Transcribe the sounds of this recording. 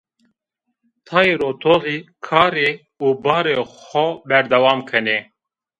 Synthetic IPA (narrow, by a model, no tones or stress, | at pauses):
t̪ʰɑːiɾoːt̪ʰoːɣiːkʰɑːɾeː | uːbɑːɾexɔbɛɾd̪ɐwɑːmkʰɐneː